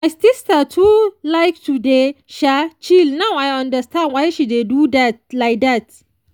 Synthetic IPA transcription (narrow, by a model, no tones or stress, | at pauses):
ajstistatʰulaɪk̚tudeʃat͡ʃilnawajãndɐstãndwajʃidedudat̚laɪk̚d̪at̚